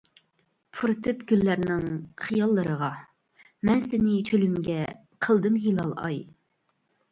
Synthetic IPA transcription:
pʰuɾɨt̪ʰɨpɡʲylːæɾnɪŋχijɑlˠːəɾəʁɑ | mɛnsɪnɪt͡ʃʰølymɡʲɛ | qʰəlˠd̪ɨmɦilˠɑlˠɑ̰j

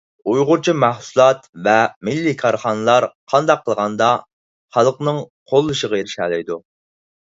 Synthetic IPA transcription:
ujʁʊɾt͡ʃʰimæhsulˠɑt̪vɛmɪlːikʰɑɾχɑnɨlˠɑɾqʰɑnd̪ɑqʰːəlˠʁɑnd̪ɑ | χɑlˠəqnɨŋqʰolˠːuʃəʁɑjeɾɪʃɛːlɛjd̪u

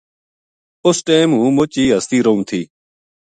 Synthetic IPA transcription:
ʊsʈeːmɦũːmʊt͡ʃiːɦəst̪iːɾəɦũːt̪ʰiː

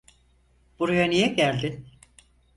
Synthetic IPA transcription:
b̥uɾajanijɛɟælʲd̪ɪ

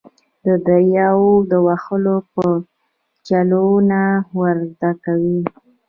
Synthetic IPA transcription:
d̪əd̪ajɑwod̪əwaxəlopə | t͡ʃalonawəɾzd̪akawi

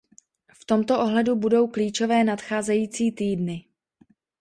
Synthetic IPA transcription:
ft̪o̞mt̪o̞ʔo̞ɦlɛdubudo̞wkliːt͡ʃo̞vɛːnat̪xaːzɛjiːt͡siːt̪iːdnɪ

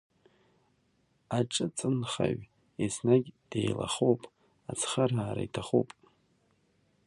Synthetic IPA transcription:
aʈ͡ʂʼɨt͡sʼɨnχa̰ɥ | esnaɡʲd̥ejla̰χowpʼ | at͡sʰχaraːɾa̰itʰaχo̰wpʼ

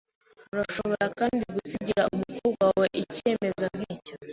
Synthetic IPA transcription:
uɾaʃo̞βo̞ɾakaːndiɡusiɟiɾaumukuːbɡwawe̞ʔice̞ːme̞zon̥hiːca

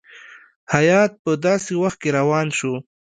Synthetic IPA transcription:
hajɑt̪̚pəd̪ɑsewaxt̪̚keɾawɑnʃo

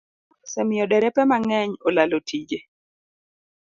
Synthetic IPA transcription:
sɛmɪjɔdɛɾɛpɛmaŋɛɲolalotʰid͡ʒe

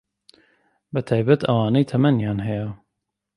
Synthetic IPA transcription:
bɨt̪ʰɑːjbɛt̪ʰɐwɑːnejt̪ʰɛmɛnjaːnɦɛja

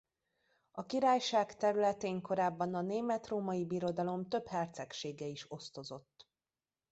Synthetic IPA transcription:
ɒkiɾaːjʃaːkt̪ɛɾylɛt̪eːŋko̞ɾaːbːɒnɒneːmɛt̪roːmɒjibiɾo̞d̪ɒlo̞mt̪ø̞phɛrt̪sɛkʃeːɡɛiʃo̞st̪o̞zo̞t̪ː

